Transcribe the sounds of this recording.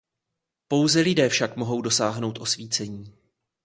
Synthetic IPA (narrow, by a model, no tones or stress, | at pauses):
po̞wzɛlɪdɛːfʃakmo̞ɦo̞wdo̞saːɦno̞wt̪ʔo̞sviːt͡sɛɲiː